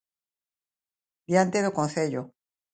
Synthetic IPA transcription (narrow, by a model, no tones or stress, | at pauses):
d̪jant̪eðokonθeʎo